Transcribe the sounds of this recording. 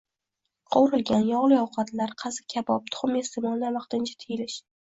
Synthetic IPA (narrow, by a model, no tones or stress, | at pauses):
qʰɒwɾɪlɡʲanjɒʁlˠɪɒwqʰɑt̪laɾqʰɑzɪ̥kʲʰabɒp̚t̪ʰʊ̥χʊmest̪ɪmɒlˠnaɾvɑqt̪ɪnt͡ʃʰḁt̪ʰejɪlɪʃ